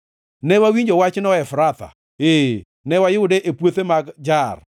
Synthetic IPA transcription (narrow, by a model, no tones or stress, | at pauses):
nɛwawiɲd͡ʒɔwat͡ʃnɔɛfɾat̪a̰ | e | nɛwajɪʊdeʔepwot̪emaɡd͡ʒar